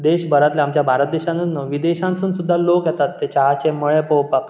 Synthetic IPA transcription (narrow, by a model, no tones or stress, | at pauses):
d̪eɕbəɾat̪leamt͡ɕjabʱaɾət̪̚d̪eɕãnunːəʋid̪eɕãnsuːnsud̪ʱːalokjɛt̪at̪ːet͡ɕaɦat͡ɕeməɭepowpak